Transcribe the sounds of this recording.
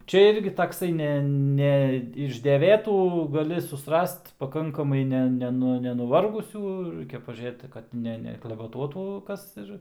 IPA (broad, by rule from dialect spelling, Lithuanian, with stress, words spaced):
ˈt͡ʃʲɛ ˈɪrʲɡʲɪ tɐkˈsɐɪ ˈnʲɛ ˈnʲɛ ɪʃ dʲɛˈʋʲeːtuː ɡɐˈlʲɪ sʊsˈrɐst pɐˈkɐŋkɐmɐɪ ˈnʲɛ ˈnʲæːnʊ nʲɛnʊˈʋɐrɡʊsʲuː ˈrɐɪkʲɛ pɐʒʲuːˈrʲeːt kɐt ˈnʲɛ nʲɛklˠɐʋʲɛˈtuɔtuː ˈkɐs ɪr